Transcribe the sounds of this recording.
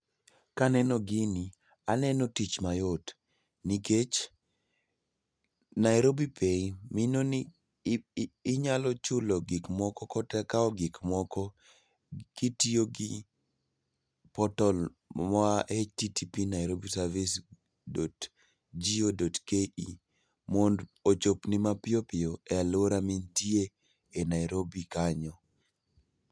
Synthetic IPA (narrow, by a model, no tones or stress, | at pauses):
kanɛnɔɡɪni | anɛnɔtit͡ʃmajot | niket͡ʃ | naɪɾobipʰeiminoni | ɲalɔt͡ʃʊlɔɡɪkmɔkɔkɔtɛkaɔɡɪkmɔkɔ | ɡ̥itioɡɪ | pɔtɔl | mɔaʔetitipinajɾobisaɾvis | dot | d͡ʒiodotkei | mondot͡ʃopnɪmapɪopɪoɛaloɾamintie | enajɾobikaɲɔ